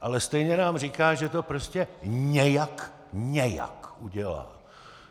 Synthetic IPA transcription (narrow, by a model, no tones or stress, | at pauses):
ʔalɛst̪ɛjɲɛnaːmr̝iːkaːʒɛt̪o̞pɾo̞scɛɲɛjak | ɲɛja̰kʔuɟɛla̰ː